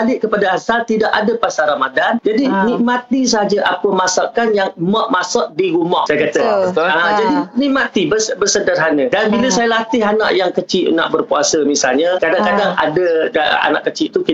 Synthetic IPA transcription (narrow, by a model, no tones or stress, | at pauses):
alɪʔkəpadaasalt̪idaʔadapasaɾamadand͡ʒadinik̚mat̪is̬əɦad͡ʒaʔapəmasaʔkanjaŋmɔʔ̚masɔʔ̚diɾumɔhsajakat̪əəd͡ʒadinĩk̚mat̪ibəsbərsədarɦanə̃danbiləsajalat̪ɪɦana̰ʔjaŋkət͡ʃɪʔna̰ʔbərpuasəmisalɲakadaŋkadaŋa̰dada̰a̰naʔkət͡ʃɪʔt̪uki